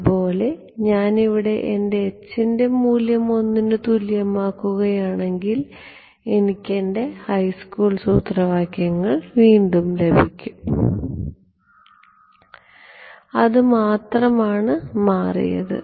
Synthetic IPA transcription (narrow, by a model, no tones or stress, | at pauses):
po̞ːle̞ | ɲaːniʋiɽe̞ʔende̞ːt͡ɕːinde̞muːljɐmo̞nːinɨt̪uljɐmaːkːuɣɐjaːɳe̞ŋɡil | e̞nikʲːe̞nde̞hɐjskuːɭsuːt̪rɐʋaːkjɐŋːɐɭʋiːɳɖumle̞bʱikʲːum | ɐðɨmaːt̪rɐmaːɳɨmaːrḭjɐ̰ðɨ̰